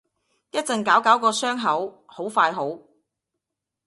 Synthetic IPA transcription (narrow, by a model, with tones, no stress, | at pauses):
jɐ˥t̚t͡sɐ˨˧nkaː˨˥wkaː˨˥wkɔː˧sœː˥ŋɦɐ˨˥w | ho˨˥wfaː˧jɦo˨˥w